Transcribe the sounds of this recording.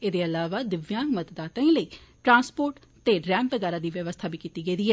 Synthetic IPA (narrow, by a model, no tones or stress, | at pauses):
eːd̪eːəlaːʋaːd̪ɪʋjãːŋɡmət̪əd̪aːt̪ãːĩːləiː | ʈɾãːnspoːɾʈ | t̪eːɖɾɛ̃ːmpːəɡaːɾaːd̪iːʋjəʋəst̪ʰaːbʱiːkiːt̪iːɡəiːd̪iːɦɛː